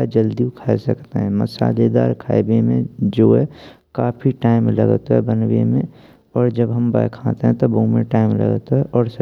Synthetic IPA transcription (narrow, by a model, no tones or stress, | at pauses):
ad͡ʒəld̪iukʰaːesəkt̪ḛɦɛ̃məsa̰ːled̪a̰ːɾkʰaːbemẽd͡ʒoɦɛ | kaːpʰiʈaːɪmlə̰ɡt̪ɦɛ̰bənwḛmẽ | ɔːɾd͡ʒəbɦəmbajkʰãt̪eɦɛ̃t̪oboũmḛ̃ʈaːɪmlə̰ɡt̪ɦɛʔɔːɾs